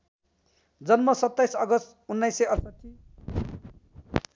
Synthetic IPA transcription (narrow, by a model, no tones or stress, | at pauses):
d͡zʌnmʌsʌt̪ːajsʌɡʌst̪unːʌjsːeʌrsʌʈʰːi